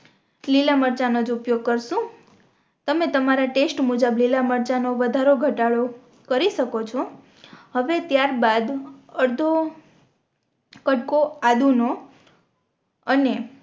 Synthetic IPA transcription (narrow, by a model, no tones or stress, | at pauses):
lilaməɾt͡ʃanod͡ʒupjoɡ̚kəɾʃũ | t̪əmet̪əmaɾaʈesʈmud͡ʒəblilaməɾt͡ʃanoʋəd̪ʱaɾoɡʱəʈaɭo | kəɾiʃəkot͡ʃʰo | həʋet̪jaɾbad̪əɾd̪ʱo | kəʈkoad̪uno | əne